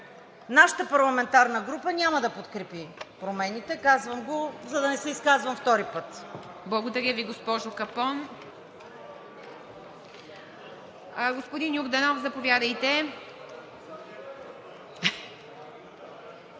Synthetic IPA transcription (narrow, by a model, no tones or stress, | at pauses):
naʃə̥t̪əpɐɾlˠɐmɛnt̪aɾnəɡɾupənʲaməd̪ɐpot̪kɾɛpipɾomɛnit̪ɛkazvəmɡozɐd̪ɐnɛsɛiskazvɐmft̪ɔɾipɤt̪ | blˠɐɡod̪ɐɾʲjəviɡospɔʒʊkɐpɔn | ɡospod̪injuɡd̪ɐnɔfzɐpovʲjad̪ɐjt̪ɛ